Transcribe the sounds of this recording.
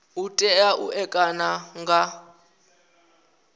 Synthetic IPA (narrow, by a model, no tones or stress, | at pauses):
utʼɛaʔuʔɛkʼanaŋɡa